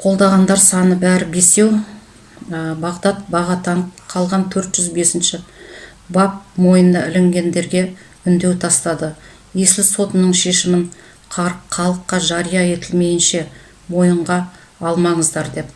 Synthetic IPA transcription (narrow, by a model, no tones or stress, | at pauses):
qʰo̞lˠd̪ɑʁɑnd̪ɑɾsɑnəbæɾɪbe̞se̞w | əbɑʁd̪ɑt̪̚bɑʁɑt̪ɑɴqʰɑlˠʁɑnt̪ʰɵɾt̪ʒ̥ʏzbe̞sɪnʃɪ | bɑp̚mo̞jənəʔɪlɪŋɡʲe̞nd̪e̞ɾɡʲe̞ | ʏnd̪e̞wt̪ʰɑst̪ɑd̪ə | jeslʲɪso̞t̪ənəɴʃe̞ʃɪmɪɴʰ | ɑɾqʰːɑlˠəqːɑʒɑɾijɑe̞t̪ɪlme̞jɪnʃe̞ | mo̞jəɴʁɑ | ɑlˠmɑɴəzd̪ɑɾd̪e̞p